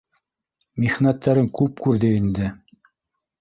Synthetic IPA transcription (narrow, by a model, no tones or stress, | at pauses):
miχnæt̪ʰːæɾɘŋkʉp̚kʉɾðɘind̪ɘ